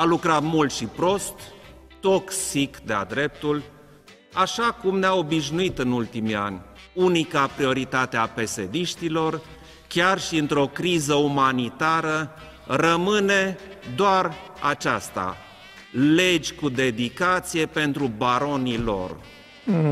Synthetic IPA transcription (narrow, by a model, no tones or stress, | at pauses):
alukɾat̪mult̪ʃipɾo̞st̪ː | oksikd̪ea̰d̪ɾe̞p̚t̪ul | aʃakumneao̞biʃnuit̪ɨnult̪imia̰nʲ | unikapɾio̞ɾit̪at̪eape̞sed̪iʃt̪ilo̞r | kʲarʃiɨnt̪ɾo̞kɾizəumanit̪aɾə | rəmɨne̞d̪oar | at͡ʃast̪a̰ | le̞d͡ʒʲkud̪e̞d̪ikat̪sije̞pe̞nt̪ɾubaɾo̞nilo̞̰r